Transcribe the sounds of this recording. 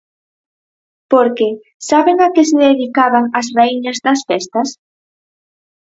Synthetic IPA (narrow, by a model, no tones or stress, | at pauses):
poɾkɪ | saβɪŋakɪsɪðeðikaβaŋɐsraiɲɐzðɐsfɛst̪ɐs